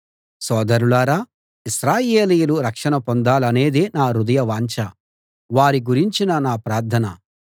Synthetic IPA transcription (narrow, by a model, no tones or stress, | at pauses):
sɔːd̪ɐɾulaːɾaː | iʃɾaːjeːlijuluɾɐkʂɐnɐpond̪aːlɐne̞ːd̪enaːɾud̪ɐjɐʋaːɲt͡ʃɐ | ʋaːɾiɡuɾiɲt͡ʃinɐnaːpɾaːɾd̪ʰʱɐnɐ̰